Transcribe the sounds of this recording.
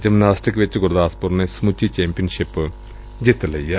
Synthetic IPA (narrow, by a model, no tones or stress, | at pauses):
d͡ʑɐmnaːsʈikːʋet͡ɕːɨkuɾðaːspurnesmut͡ɕːit͡ɕeːmpijɐnʂipːɨ | d͡ʑet̪ːɐlɐjːɐ